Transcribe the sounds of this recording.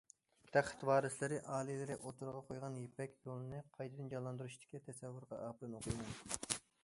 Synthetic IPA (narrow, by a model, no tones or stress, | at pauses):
t̪ʰæχə̥t̪wɑːɾɨslɪɾɪʔɑːlˠɨlɪɾɪʔot̪ʰuɾʁɑqʰojʁɑnjepɛkʲjolˠɨnɨqʰɑjt̪ʰɨd̪ɨnd͡ʒɑlːˠɑnd̪uɾuʃt̪ɪ̥kʲːɛt̪ʰɛsɛvːuɾʁɑʔɑːpɨɾɨnoqʰujmɑn